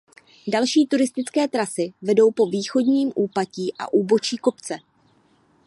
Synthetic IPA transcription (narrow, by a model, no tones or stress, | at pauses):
dalʃiːt̪uɾɪst̪ɪt͡skɛːt̪ɾasɪvɛdo̞wpo̞viːxo̞dɲiːmʔuːpaciːʔa̰ʔuːbo̞t͡ʃiːko̞pt͡sɛ